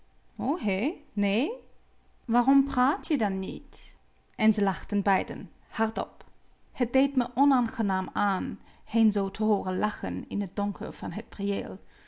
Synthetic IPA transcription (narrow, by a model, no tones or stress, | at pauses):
oːɦeneː | ʋaːrɔmpraːtʰjədɑnːit | ʔɛnzəlɑχtənbɛjdə̰n | hɑɹtɔ̰p | hət̚d̥ejtməʔɔnaːnχənaːmaːnhenzowtʰəɦoːrənlɑxə̰nɪnɦət̚d̥ɔŋkʰə̰ɹv̥ɑnɦət̚priḛːlˠ